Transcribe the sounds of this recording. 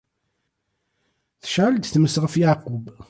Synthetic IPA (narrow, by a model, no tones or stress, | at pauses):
θə̥ʃʕəld̪θməsʁəfjaʕqːʊb